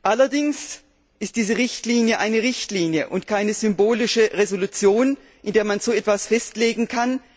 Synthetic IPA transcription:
ʔalɐdɪŋs | ʔɪstd̥iːzəʁɪçtliːnjəʔaɪnəʁɪçtliːnjəʔʊntkʰaɪnəzʏmboːlɪʃəʁezolut͡sjoːn | ʔɪndeːɐmanz̥oːɛtv̥asfɛstleːɡŋ̩kʰan

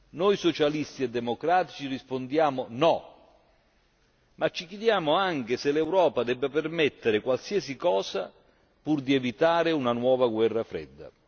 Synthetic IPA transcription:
nɔjsot͡ʃalist̪iɛd̪ːemokɾaːt̪i̥t͡ʃirispond̪jaːmʊnɔ | mat͡ʃːik̟jed̪jaːmʊaŋkɪsɪlɛwɾɔːpad̪ɛbːapermɛt̪ːeɾɪkwalsiɛsikɔːsa | purd̪iɛvit̪aːɾɪunanwɔːvaɡwɛrːafɾɛ̰d̪ːa̰

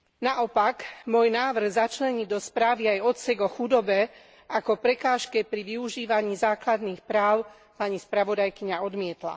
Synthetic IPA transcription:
naʔɔpaɡmʊɔjnaːʋr̩ɣzat͡ʃlɛɲid̪ɔspɾaːʋiajɔt̪sɛɡɔxud̪ɔbɛ | akɔpɾɛkaːʃkɛpɾiʋiuʒiːʋaɲiːzaːklad̪niːxpɾaːʊ | paɲispɾaʋɔd̪ajkiɲaɔd̪mɪɛt̪la̰

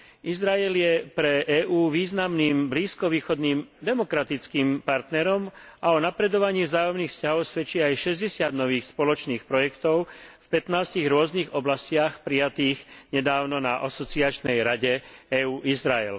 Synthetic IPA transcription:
izɾaɛljɛpɾɛʔɛːʔuːʋiːznamniːmbliːskɔʋiːxɔd̪niːmd̪ɛmɔkɾat̪it͡skiːmpaɾt̪nɛɾɔm | aɔnapɾɛd̪ɔʋaɲiːvzaːjɔmniːxfscaɦɔʊsʋɛt͡ʃiajʃɛzɟɛsɪad̪nɔʋiːxspɔlɔt͡ʃniːxpɾɔjɛkt̪ɔʊfpɛt̪naːsciɣɾʊɔzniːɣɔblascɪaxpɾijat̪iːɣɲɛd̪aːʊnɔnaʔasɔt͡siat͡ʃnɛjɾaɟɛɛːuːʔizɾaɛ̰l

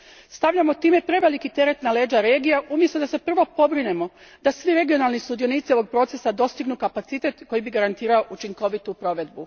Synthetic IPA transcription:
st̪aʋʎamot̪iːme̞pɾe̞ʋelikit̪e̞ɾe̞t̪nale̞ːd͡ʒaɾe̞ːɡijaʔumjest̪od̪ase̞pr̩ʋo̞po̞bɾine̞mo̞ | d̪asʋiɾe̞ɡio̞nalˠnisud̪io̞niːt̪sio̞ʋo̞ɡ̚pɾo̞t̪se̞sad̪o̞st̪iɡnukapat̪sit̪e̞t̪ko̞jibiɡaɾant̪iːɾao̞ʔut͡ʃiŋko̞ʋit̪upɾo̞ʋe̞d̪bu

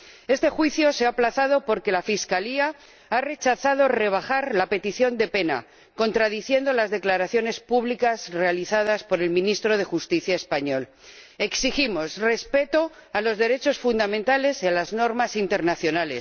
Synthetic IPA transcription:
e̞st̪exwiθjo̞seaplaθað̞o̞po̞ɾke̞lafiskalia | are̞t͡ʃaθað̞o̞re̞β̞axaɾlape̞t̪iθjo̞nd̪e̞pe̞na̰ | ko̞nt̪ɾaðiθje̞nd̪olazðe̞klaɾaθjo̞ne̞spuβlikazre̞aliθað̞aspo̞ɾe̞lmĩnist̪ɾo̞ðe̞xust̪iθjae̞spaɲo̞l | e̞ksiximo̞sre̞spe̞t̪o̞ | alo̞zðe̞ɾe̞t͡ʃo̞sfund̪amẽnt̪ale̞sialazno̞ɾmasint̪e̞ɾnaθjo̞nale̞̰s

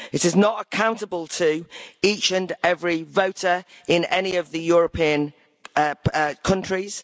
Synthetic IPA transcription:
ɪtɪznətəkʰãʊ̃ntəbəlˠtʰəiˑt͡ʃə̃nɛvɹivoʊtəɹɪ̃nɛniəvðəjɔːɹəpʰĩːə̃n | əəkʰʌ̃nt͡ʃɹ̥ɪz̥

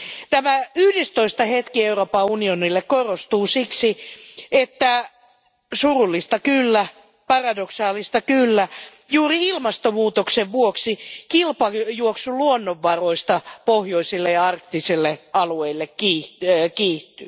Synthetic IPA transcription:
t̪æmæyhdest̪oist̪ɑhet̪kieuroːpɑunionilːekkorost̪uːsiksiet̪ːæ | surulːist̪ɑkylːæ | pɑrɑdoksɑːlist̪ɑkylːæ | juːriilmɑst̪omuːt̪okseʋʋuoksikilpɑjuoksuluonːoʋːɑroist̪ɑpohjoisilːejɑɑrk̚t̪isilːeɑlueilːekkiːkiːt̪ːy

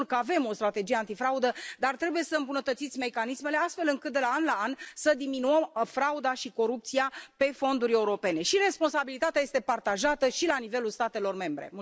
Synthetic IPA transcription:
rkəave̞mo̞st̪ɾat̪e̞d͡ʒije̞ant̪ifɾaud̪əd̪art̪ɾe̞buje̞səɨmbunət̪ət̪sit̪sʲme̞kanisme̞le̞ast̪fe̞lɨŋkɨt̪̚d̪e̞laanlaansəd̪iminuəmfɾaud̪aʃiko̞ɾup̚t̪sijape̞fo̞nd̪uɾʲe̞uɾo̞pe̞ne̞ʃire̞spo̞nsabilit̪at̪eaje̞st̪e̞part̪aʒat̪əʃilanive̞lulst̪at̪e̞lo̞rme̞mbɾe̞̰m

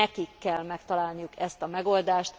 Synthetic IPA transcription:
ɛkikːɛlmɛkt̪ɒlaːlnijukɛst̪ɒmɛɡo̞ld̪aːʃt̪

